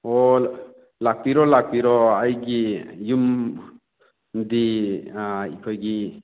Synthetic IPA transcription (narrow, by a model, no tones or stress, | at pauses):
ɔ | lak̚piɾɔlak̚piɾɔajɡijum | d̪i | ikʰɔjɡi